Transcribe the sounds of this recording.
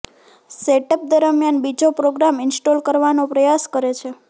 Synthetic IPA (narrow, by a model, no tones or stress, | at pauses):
seʈəp̚d̪əɾmjanbid͡ʒopɾoɡɾamɪnsʈolkəɾʋanopɾəjaskəɾet͡ʃʰe